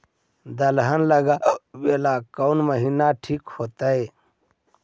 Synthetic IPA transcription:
d̪əlɦənləɡaweːlakəwnməɦinaʈʰiːkhot̪əe

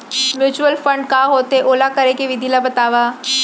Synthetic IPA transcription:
mjuːt͡ʃuəlfə̃ɳɖkaːɦoːt̪eʔoːlakɐɾekeʋɪd̪ʱilabɐt̪aːʋaː

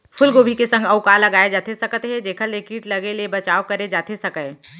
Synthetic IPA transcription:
pʰʊlɡoːbʱikesə̃ŋɡɐʊkalɐɡaːed͡ʒaːt̪esɐkt̪ɦɛ̃d͡ʒeːkʰəɾlekiːʈlɐɡelebɐt͡ʃaːokɐɾed͡ʒaːt̪esɐkə

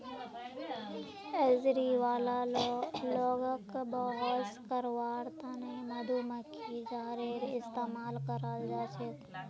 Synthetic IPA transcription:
əzɾiʋaːla | loːɡəkbɔɦəskəɾwaːɾt̪ãnemɐd̪ʱuməkʰid͡ʒaːɾeɾɪst̪eːmaːlkəɾald͡ʒat͡ʃʰet̪

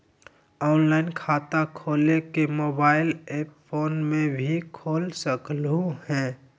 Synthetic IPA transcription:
ɔːnlaɪnkʰaːt̪akʰoːlekemobaːɪleppʰoːnmẽbʱikʰoːlsəkluhɛ̃

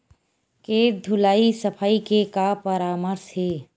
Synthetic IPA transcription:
keːd̪ʱʊlaːisəpʰaːikekapəɾaːməɾsheː

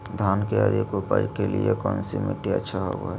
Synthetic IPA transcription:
d̪ʱaːnkead̪ʱikopaːikeliekɔːnsimeʈiətːʃʰaɦo̰boɛ

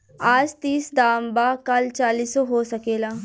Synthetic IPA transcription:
aːd͡ʒt̪iːsd̪aːmbaːkɐlt͡ʃaːliːsoɦoːsɐkeːlaː

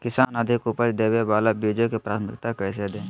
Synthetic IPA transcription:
kɪsaːnəd̪ʱɪkupət͡ʃd̪eːʋebaːlabiːd͡ʒokipɾaːt̪ʰmɪ̰kt̪akɛːs̬ed̪ẽː

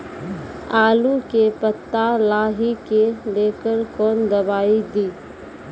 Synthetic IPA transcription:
aːlukepət̪ːalaːɦikeleːkəɾkɔːnd̪ɐbaːid̪iː

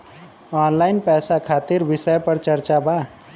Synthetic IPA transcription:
ɔːnlaɪnpɛsakʰat̪iɾbisəjpəɾt͡ʃəɾt͡ʃaba

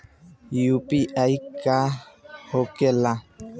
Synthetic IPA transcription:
jupiʔajkahokɛla

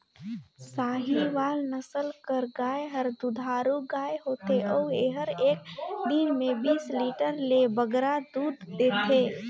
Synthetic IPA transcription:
saːɦiʋaːlnəsəlkəɾɡaːeɦəɾd̪ud̪ʱaːɾuɡaːeɦoːt̪eʔɔːeɦəɾeːkd̪inmẽbiːsliːʈəɾlebəɡɾad̪uːd̪ːeːt̪ʰeː

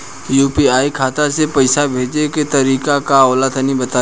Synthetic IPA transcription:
juːpiaːikʰaːt̪asepɐɪsabʱeːd͡ʒeket̪ɐɾiːkakaɔːlat̪ʰanĩbɐt̪aː

